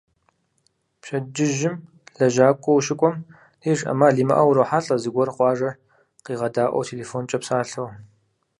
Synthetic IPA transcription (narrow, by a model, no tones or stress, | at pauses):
pɕɐd͡ʒɪʒɪm | ɮɐʒaːkʷʼɔwʃɪkʷʼɔm | iːʐʔɐ̰maːɮiːmɐ̰ʔɐwɾɐwħaɬʼɐzɨɡʷɔrqʷɑːʐɐ | qiːʁɐdaːʔʷɐ̰wtʰeleːfoːnt͡ʃʼɐpsaːɬow